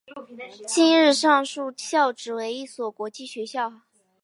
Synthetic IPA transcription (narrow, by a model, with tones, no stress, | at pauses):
t͡ɕi˥nɻɻ̩˥˧ʂɑ˥˧ŋʂu˥˧ɕjɑ˥˩ʊʈ͡ʂɻ̩˨˩we˧˥ɪi˥˩swɔ˨˩kwɔ˧˥t͡ɕi˥˩ɕɥɛ˧˥ɕjɑ˥˩ʊ